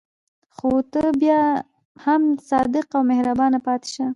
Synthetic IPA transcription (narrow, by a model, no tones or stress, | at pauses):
xot̪əbjɑ | hamsɑd̪ɪqawmehɾabɑnapɑt̪ɪ̥ʃa